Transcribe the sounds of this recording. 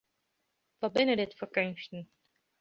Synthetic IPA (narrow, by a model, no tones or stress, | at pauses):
vɑbɪnədɪtfəɹkɵnstən̩